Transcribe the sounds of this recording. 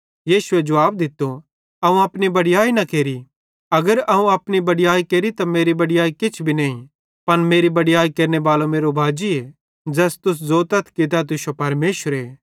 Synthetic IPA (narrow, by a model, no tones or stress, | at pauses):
jiːʃʊed͡ʒɐʋaːb̚d̪ɪt̪ːo | ɐũɐpnibɐɽɪjaːinɐkeːɾi | ɐɡəɾɐɦũɐpnibɐɽɪjaːikeːɾit̪ameːɾibɐɽɪjaːikɪt͡ʃʰbʱinɐːĩ | pɐnmeːɾibɐɽɪjaːikeːɾnebaːlomeːɾobʱaːd͡ʒie | d͡ʒɛːst̪ʊs̬zoːt̪ɐt̪ʰkit̪at̪̬ʊsopɐɾmeːʃəɾeː